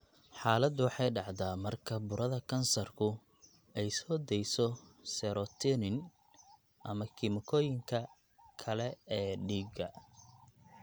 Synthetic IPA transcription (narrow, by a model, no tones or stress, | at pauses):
ħɑːlɐd̪ʊwɑħɑjɖɑʕd̪aːmɐrkʰɐbʊɾɐðɐkʰɐnsɐrkʰʊ | ɛjsɔːd̪ɛjsɔsɛɾɔt̪ʰɪnɪn | ʔɐmɐkʰɪmɪkʰɔːjɪŋkʰɐ | kʰɐlɛɛːɖiːɡɐ